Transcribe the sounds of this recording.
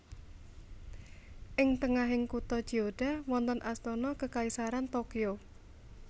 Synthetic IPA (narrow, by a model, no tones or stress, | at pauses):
ʔɪŋt̪əŋaɦɪŋkut̪ɔd̥ʒ̥iod̥a̤wɔnt̪ɔnʔast̪ɔnɔkəkaisaɾant̪okio